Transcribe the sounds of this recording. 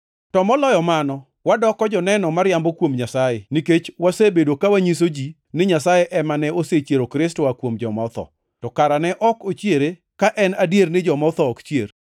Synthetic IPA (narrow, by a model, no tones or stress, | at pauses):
tɔmɔlɔjɔmanɔ | wadɔkːɔd͡ʒɔnɛnɔmaɾjambɔkwomɲasajeniket͡ʃwasebedokawaɲis̬od͡ʒi | nɪɲasajeʔɛmanɛoset͡ʃjeɾokɾɪstoakwomd͡ʒɔmɔt̪ɔ̰ | tɔkaɾanɛʔɔkot͡ʃjeɾe | kaʔɛnadjernɪd͡ʒɔmɔt̪ɔːkt͡ʃjer